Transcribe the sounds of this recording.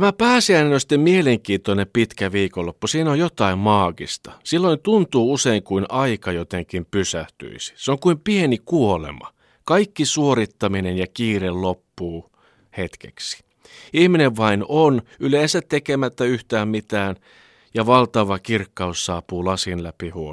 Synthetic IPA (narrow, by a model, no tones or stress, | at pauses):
t̪æmæpæːsiæinenosi̥t̪ːemmieleŋkiːnt̪onempit̪kæʋiːkolːopːusiːnojot̪ɑimmɑːkḭst̪ɑsilːoint̪unt̪uːuseiŋkuinɑikɑjot̪eŋkimpysæht̪y̰isi̥seoŋkuimpienikuolḛmɑ̰ | kɑikːisuoɾit̪ːɑminenjɑkiːrellopːuː | het̪kḛksi̥ | ihmineʋʋɑinonyleːnsæt̪t̪ekemæt̪ːæyht̪æːmmit̪æːn | jɑʋɑlt̪ɑʋɑkirkːɑussɑːpuːlɑsinlæpihuo